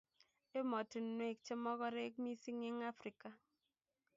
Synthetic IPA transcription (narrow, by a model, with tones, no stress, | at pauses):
e˦mɔ˨ti˨nwe˦˨k̚t͡ʃe˦mɔ˦kɔ˦ɾe˦k̚mi˦si˦ŋɪ˦ŋa˦fɾi˨ka˨